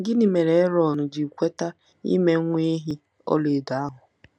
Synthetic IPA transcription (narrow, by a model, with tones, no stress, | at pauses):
ŋ̩˨˦ɡɪ˦nɪ˨me˨ɾe˨e˦ɾɔ˨nʊ˨d͡ʒɪ˨kʷe˦ta˦ | ḭ˦me˦ŋʷ˦e˦ɦi˦ | ɔ̰˦le˨da˨a˦ɦʊ˨